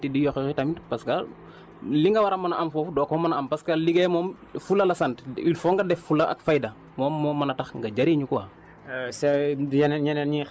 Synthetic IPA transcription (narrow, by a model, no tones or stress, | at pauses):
tidijɔxɛkitɐmitpɐskɐ | liŋɡɐwɐɾɐmːɐnɐʔɐmfɔfdɔːkɔmːɐnɐɐmpɐskɐliɡɛjmɔːmfulɐlɐsɐntilfɔŋɡɐdɛfːulɐʔɐ̰kfajdɐ | mɔːmːɔːmːɐnɐtɐxŋɡɐd͡ʒɐɾiɲukɔwa | sɛjnɲɛnɐɲi